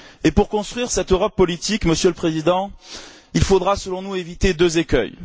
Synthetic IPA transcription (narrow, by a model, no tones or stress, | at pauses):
epuʁkɔ̃st̪χɥiʁsɛt̪øʁɔpːɔlit̪ikməsjøləpχezid̪ɑ̃ | ilfod̪ʁasəlɔ̃nuevit̪ed̪øzekʲœ̰j